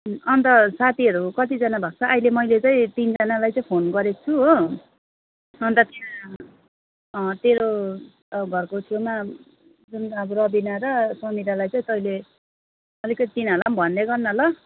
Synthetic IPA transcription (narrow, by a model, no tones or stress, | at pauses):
ʌnt̪ʌsat̪ʰiʌɾukʌt̪id͡zʌnabʱak̚t͡sʰʌʔajlemʌjlet͡saĩt̪ind͡zanalajt͡sʌĩpʰonɡʌɾekt͡sʰuɦo | ʌnt̪ʌt̪ea | t̪eɾo | ɡʱʌrkot̪ʰewma | d͡zunʌbʌrʌbinaɾʌsʌmiɾalajt͡sʌĩt̪ʌile | ʌlikʌt̪it̪inʌlambʱʌnd̪eɡʌrnʌlʌ